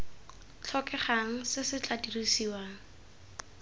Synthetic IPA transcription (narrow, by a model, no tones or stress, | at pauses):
t͡ɬʰɔkɛχaŋ̩sɪsɪt͡ɬʼadirisiwaːŋ̩